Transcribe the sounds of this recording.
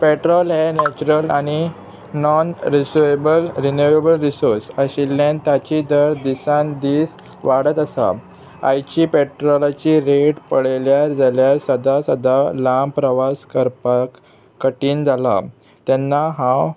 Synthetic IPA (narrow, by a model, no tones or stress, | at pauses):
peʈɾɔlɦenɛt͡ɕuɾəlaɽ̃i | nɔnɾisuebəlɾinuʋebəlɾisoɾsəɕilːãnt̪at͡ɕid̪əɾd̪isãnd̪iːs | ʋaɽət̪əsa̰ | a̰jt͡ɕiːpeʈɾɔlat͡ɕiːɾeʈpəɭeljaɾd͡zaljaɾsəd̪asəd̪alampɾəʋaskəɾpak | kːəʈiːnd͡zʱala̰ | t̪ɛnːaɦãw